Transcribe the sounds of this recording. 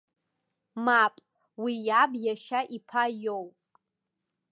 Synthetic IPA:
mapʼ | wijabjaʃaʔipʰajowpʼ

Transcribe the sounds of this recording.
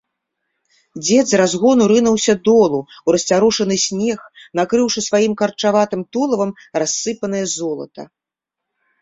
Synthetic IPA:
d͡zʲɛd̪zrazɣɔnuɾɨnɐwsʲɐd̪ɔlˠuwɾɐsʲt͡sʲaɾɔʂɐnɨsʲnʲɛxnakɾɨwʂɨsvajimkɐrt͡ʂavat̪ɨmt̪ɔlˠɐvɐm | rasːɨpɐn̪ɨjɐzɔlˠɐ̰t̪ɐ̰

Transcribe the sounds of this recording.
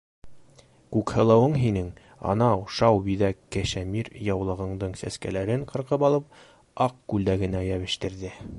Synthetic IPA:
kʉkhɤ̆lˠɤ̆wɤɴɦinɘŋ | ɑ̰nɑwʃɑwbiðækːæʃæmiɾjɑwlˠɤ̆ʁɤ̆ɴd̪ɤɴsæskælæɾɘɴqɤ̆ɾqɤpɑlˠɤp̚ | ɑq̚kʉld̪æɡɘ̆næjæβɘ̆ʃt̪ɘ̆ɾðɘ

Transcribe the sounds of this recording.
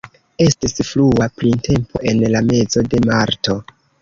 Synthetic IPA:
e̞stisfluapɾinte̞mpʰo̰ʔe̞nlame̞zo̞de̞maɾto̞

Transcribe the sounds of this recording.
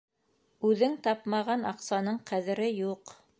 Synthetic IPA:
ʉðɘŋt̪ɑpmɑʁɑnɑqsɑnɤɴqʰæðɘ̆ɾɘjuq

